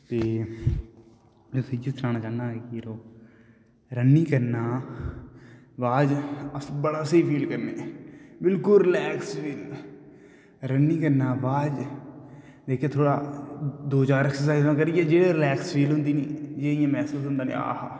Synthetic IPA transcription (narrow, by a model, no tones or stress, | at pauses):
t̪eː | d͡ʒoːsəd͡ʒɪst̪ɾaːnaːt͡ʃaːnːaːeːkiɾoː | ɾənːiːkəɾnaː | ʋaːd͡ʒəsbəɽaːsiːpʰiːlkəɾneːbɪlkʊlɾɪlɛːksfiːl | ɾənːiːkəɾnaːʋaːd͡ʒ | d̪eːkʰeːt̪ʰoːɽaːd̪oːt͡ʃaːɾɛːksəsaːizãːk̬əɾiːɛːd͡ʒeːɽeːɾɪlɛːkspʰiːlɦʊ̃nd̪iːniːd͡ʒeːɪjãːmɛːsuːsɦʊ̃nd̪aːnḛ̃ːa̰ːɦaː